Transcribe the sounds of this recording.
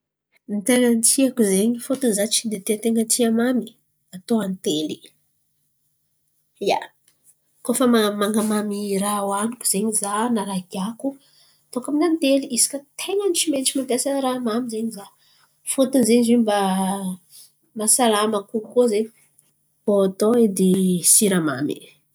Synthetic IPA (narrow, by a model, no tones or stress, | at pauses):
nit̪eŋənt̪iakuzeɲifot̪unzat͡ʃind̪et̪et̪eŋənt̪iamami̥ | at̪oant̪eli̥ | ja | kofəmamaŋɡamamiɾawanukuz̥eɲizanaɾaɡiaku | t̪okaminant̪eliʔisi̥kət̪ʰeŋənit͡ʃimenit͡ʃimampjasəɾamamizeɲiza | fut̪unzeɲiziba | masalaməkukoze | poat̪oed̪esiɾama̰mḭ